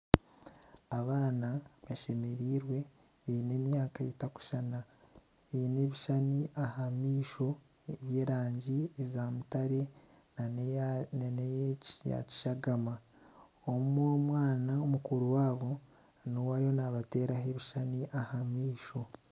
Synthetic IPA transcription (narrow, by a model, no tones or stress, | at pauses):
aβaːnaβaʃe̞me̞ɾiːɾwe̞ | βiːne̞ːmjaːkaetaku̥ʃana | βiːne̞βiʃaniʔahamiːʃo̞ | eβje̞ːɾaːɲɟiezaːmutaɾe̞ | nejja̰ci̥ʃaɡama | omumomwaːnaomukuɾuwaːβo̞ | nowaɾijo̞naβate̞ːɾaɦe̞βiʃaniʔahamiːʃo̞